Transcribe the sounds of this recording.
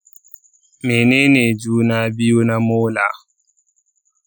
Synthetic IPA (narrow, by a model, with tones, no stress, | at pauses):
me˨ne˦ne˨d͡ʒu˦na˦bi˦o˦na˦mo˦la̰˨˦